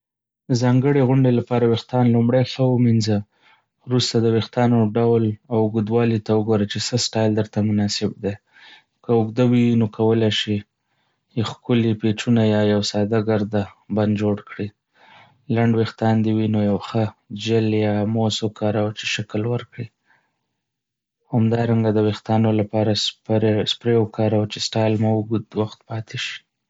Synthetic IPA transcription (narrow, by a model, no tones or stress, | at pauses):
d̪əzɑŋɡəɽeɣʊɳɖelapɑɾawext̪ɑnlumɽajxəwəminza | ɾust̪ad̪əwext̪ɑnoɖawlawɡud̪wɑlit̪awəɡoɾat͡ʃesəsʈɑjld̪əɾt̪amʊnɑsɪb̚d̪e | kəʊɡd̪awiwnokʰawəlajʃi | xkʊlipet͡ʃunajɑjawsɑd̪aɡaɾd̪aband̪d͡ʒoɽkɽi | laɳɖwext̪ɑnd̪iwinojawxəd͡ʒɪljɑmosokɑɾawat͡ʃe̥ʃaklwəɾkɽi | hamd̪ɑɾaŋɡad̪əwext̪ɑnolapɑɾasspɾewkɑɾawat͡ʃesʈɑjlmawɡd̪waxt̪pɑt̪eʃi̥